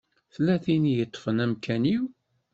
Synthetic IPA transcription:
θlːæθinijət̪ˤːfənæmkʰæniw

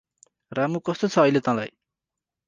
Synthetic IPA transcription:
ramukʌst̪ot͡sʰʌːjlet̪ãla̰j

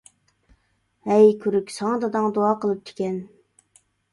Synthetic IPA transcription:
hɛjkʲʰyɾykʲsɑŋɑd̪ɑd̪ɑŋd̪oɑːqʰəlˠɨp̚t̪ʰe̥kʲɛn

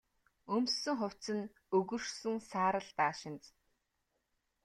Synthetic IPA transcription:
ɵmsɵ̆ŋχʊw̥ʲt͡sɘ̆n | ɵɣɵ̆rsɵ̆ŋsaːɾə̆ɮt̪aːʃɪ̆nt͡s

